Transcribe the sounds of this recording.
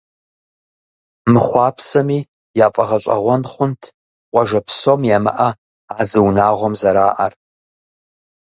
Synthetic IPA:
mɨχʷɑːpʰsɐmi | jaːfʼɐʁɐt͡ʃʷʼɐ̰ʁʷɔnχʷʊntʰ | qʷʼɑʒɐpʰsomjamɨ̰ʔɐ | aːzɨwnaːʁʷɔmzɐɾaːʔɐr

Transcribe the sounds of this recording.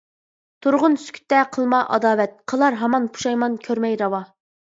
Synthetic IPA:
t̪ʰuɾʁʊnsy̥kʲʰy̥t̪ːɛqʰəlˠmɑʔɑ̰d̪ɑːwɛt̪̚qʰəlˠɑɾɦɑmɑnpʰu̥ʃɑjmɑnkʲʰøɾmɛjɾɑwɑ

